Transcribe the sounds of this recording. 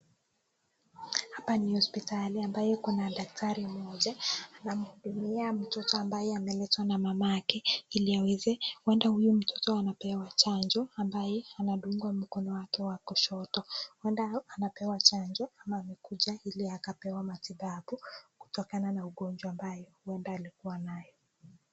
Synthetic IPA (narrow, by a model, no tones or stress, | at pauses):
hapanihɔspitaliambajɛkunaɗak̚tʰaɾim̩ɔʄaːnam̩huɗumiam̩tɔtɔambajɛamɛlɛtwanamamajakɛiliawɛzɛwɛndahujum̩tʰɔ̥tɔanapɛwat͡ʃand͡ʒɔambajɛanaɗuŋɡwam̩kɔnɔwakɛwakɔʃɔtɔwɛndaanapɛwat͡ʃand͡ʒɔamaːmɛkuʄailiakapɛwamatiɓaɓuku̥tɔkananauɠɔnd͡ʒwaːmbajɔuwɛndaːlikuwanajɔ